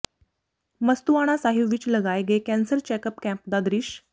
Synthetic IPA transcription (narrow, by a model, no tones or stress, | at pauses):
məst̪uʋaɽ̃asaɦiʋiːt͡ɕləɡajɡekæ̃nsəɾt͡ɕɛkəpkæ̃mpd̪ad̪ɾiɕ